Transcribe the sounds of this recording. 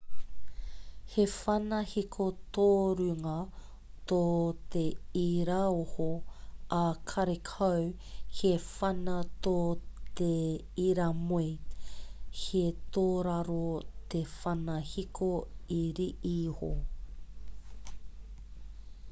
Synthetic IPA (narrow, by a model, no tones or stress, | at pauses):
hefɐnɐhikʰot̪oːɾʉŋɐ | t̪ot̪eiɾaohoɐkʰɐɾekʰɐw | hefɐnɐt̪ot̪e | iɾɐmoi | het̪oːɾɐɾot̪efɐnɐhikʰoiɾiʔiho